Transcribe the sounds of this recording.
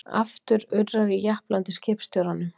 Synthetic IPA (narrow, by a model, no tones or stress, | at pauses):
a̰ft̪ʏɾʏɾraɾijahplant̪ɪscɪːpst̪jowɾanːʏm